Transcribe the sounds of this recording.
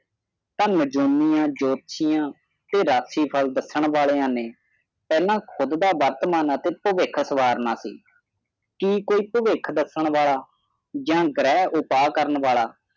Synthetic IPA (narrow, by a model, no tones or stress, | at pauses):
t̪ãːnəd͡ʒumijãːd͡ʒoːt̪ʃijãː | t̪eːɾaːsiːpʰəld̪əsəɳʋaːleːãːneː | pɛːlãːkʰʊd̪d̪aːʋəɾt̪maːnət̪eːpəʋɪkʰsəʋaːɾnaːsḭː | kiːkoːiːpəʋɪkʰd̪əsəɳʋaːlaː | d͡ʒãːɡɾɛːʔʊpaːkəɾəɳʋaːɭaː